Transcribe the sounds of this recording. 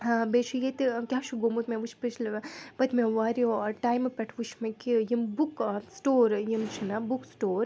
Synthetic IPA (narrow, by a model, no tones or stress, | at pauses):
bet͡ʃʰujet̪ikʲaːt͡ʃʰuɡomut̪meʋut͡ʃʰpit͡ʃʰlpɐt̪ʰmeʋaːɾioɔɾʈaːjmpʲɐʈʰʋut͡ʃʰmekijimbuksʈoːɾjimt͡ʃʰinabuksʈoːɾ